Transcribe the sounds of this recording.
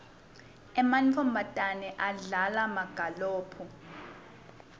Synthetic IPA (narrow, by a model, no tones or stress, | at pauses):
ɛmanfʰɔmbʱatʼanɛʔaɮalamaɡ̥ʱaloːpʰu